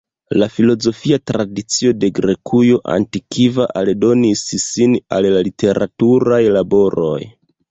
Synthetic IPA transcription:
lafilo̞zo̞fiatɾadit͡sio̞de̞ɡɾe̞kʰujo̞ʔa̰ntikivaʔaldo̞nissina̰llalite̞ɾʔa̰tuɾajlabo̞ɾo̞̰j

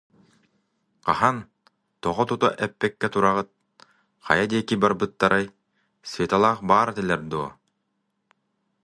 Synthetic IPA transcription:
qɑhɑn | t̪ɔʁɔt̪ut̪a̰ʔɛpːɛkːɛt̪uɾɑʁɯt̪̚ | qʰɑ̰jad̪iːkibaɾbɯt̪̚ːaɾʔaj | svʲet̪alˠɑːqbaːɾt̪ilʲɛɾd̪uː

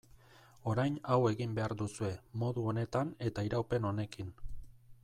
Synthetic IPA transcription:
o̞ɾajnawe̞ɣimbe̞aɾd̪usue̞mo̞ðuo̞ne̞t̪ane̞t̪aiɾawpe̞no̞ne̞kin

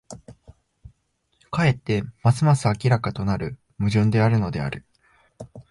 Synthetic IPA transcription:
kae̞t̪ːe̞masɨmasɨakʲiɾakat̪o̞naɾɯ̟ | mɯ̟ʑɨ̃nd̪e̞aɾɯ̟no̞d̪e̞a̰ɾɯ̟

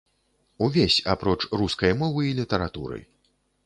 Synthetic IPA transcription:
uvʲesʲapɾɔt͡ʂruskɐjmɔvɨilʲit̪ɛɾat̪ṵɾɨ̰

